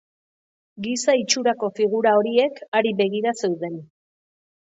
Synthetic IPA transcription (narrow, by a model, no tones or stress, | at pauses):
ɡisait͡ʃuɾako̞fiɣuɾao̞ɾie̞kaɾiβe̞ɣiɾase̞wðe̞n